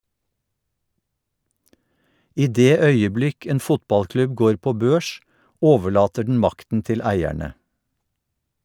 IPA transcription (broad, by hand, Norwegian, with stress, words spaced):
ˈʔiː ˈdeː ˈœʏəˌblɪk ˈeːn ˈfʊtˌbɑlˌklʉb ˈɡoːɹ ˈpoː ˈbøːʃ ˈʔoːʋəˌɭɑːtə ɖɳ̩ ˈmɑktn̩ ˈtɪl ˈæɪæɳə